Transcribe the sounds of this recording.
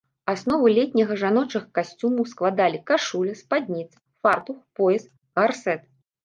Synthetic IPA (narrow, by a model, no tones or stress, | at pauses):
asnɔvɨlʲɛt̪ʲnʲɐɣɐʐanɔt͡ʂɨɣɐkasʲt͡sʲumuwsklˠad̪alʲikaʂulʲɐspad̪ʲnʲit̪sɨ̥fart̪uxpɔjɛs | ɣarsɛt̪